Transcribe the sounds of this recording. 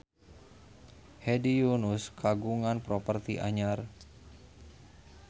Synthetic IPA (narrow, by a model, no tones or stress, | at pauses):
hedijunʊskʰaɡuŋanpɾopərt̪iʔa̰ɲar